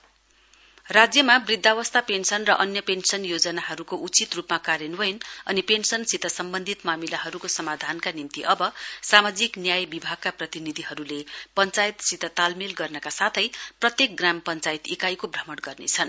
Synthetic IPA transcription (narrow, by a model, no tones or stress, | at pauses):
rad͡zjʌmabrid̪ʱːawʌst̪apensʌnrʌʔʌnjʌpensʌnjod͡zʌnaɦʌɾukoʔut͡sit̪rupmakaɾjʌnwʌjnʌnipensʌnsit̪ʌsʌmbʌnd̪ʱit̪mamilaɦʌɾukosʌmad̪ʱankanimt̪iʔʌbʌsamad͡ziknjajbibʱaɡ̚kaprʌt̪inid̪ʱiɦʌɾulepʌnt͡sajt̪sit̪ʰʌt̪almilɡʌrnʌkasat̪ʰʌjprʌt̪jek̚ɡrampʌnt͡sajt̪ikajkobrʌmʌɽɡʌrnet͡sʰʌn